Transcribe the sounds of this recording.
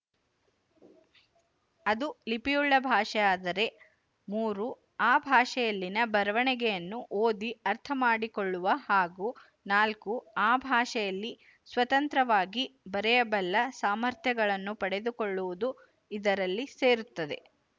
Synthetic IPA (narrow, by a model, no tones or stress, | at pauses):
ɐd̪ulipijuɭːɐbʱaːʂɛjaːd̪ɐɾe̞ | muːɾu | aːbʱaːʂɛjɐlːinɐbɐɾɐʋɐɳɛɡɛjɐnːuʔoːd̪iɐɾt̪ʰɐmaːɽikoɭːuʋɐhaːɡu | naːlkuaːbʱaːʂɛjɐlːi | sʋɐt̪ɐnt̪ɾɐʋaːɡibɐɾɛjɐbɐlːɐsaːmɐɾt̪ʰjɐɡɐɭɐnːupɐɽe̞d̪ukoɭːuʋud̪u | id̪ɐɾɐlːise̞ːɾut̪ːɐd̪e̞̰